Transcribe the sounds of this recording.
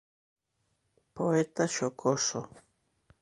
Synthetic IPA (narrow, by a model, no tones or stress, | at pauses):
poet̪aʃokʰoso